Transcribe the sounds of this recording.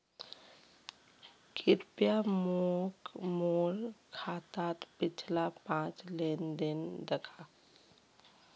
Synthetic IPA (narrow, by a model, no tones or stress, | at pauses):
kʰɪɾpjamokmoːɾkʰːaːt̪at̪pɪt͡ʃʰlapãːt͡ʃleːnd̪end̪əkʰa